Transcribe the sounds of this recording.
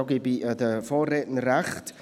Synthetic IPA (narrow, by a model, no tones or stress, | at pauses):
ɔɡibiʔədəfɔːreːʔn̩ɾɛχt